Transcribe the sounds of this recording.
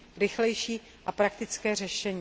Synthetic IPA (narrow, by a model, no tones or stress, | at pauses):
ɾɪxlɛjʃiː | ʔapɾakt̪ɪt͡skɛːr̝ɛʃɛɲ